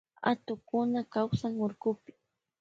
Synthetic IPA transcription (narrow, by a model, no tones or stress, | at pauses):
a̰t̪ʊkʊnakawsaŋʊɾkʊpɪ̥